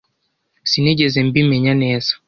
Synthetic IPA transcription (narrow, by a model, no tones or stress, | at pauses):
sinɛd͡ʒɛzɛmbimɛɲanɛsḁ